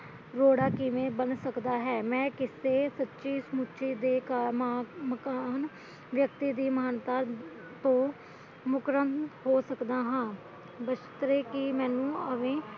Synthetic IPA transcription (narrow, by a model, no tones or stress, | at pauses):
ɾoːɽaːkɪʋẽːbənsəkd̪aːɦɛːmɛ̃ːkɪseːsətːʃiːsmutːʃʰiːd̪eːkaːmaːməkaːn | ʋjəkt̪iːd̪iːmaːnt̪aː | t̪õː | mʊkɾənt̪hoːsəkd̪aːɦãː | bəʃt̪ɾeːkɪmɛ̃ːnũːəʋẽː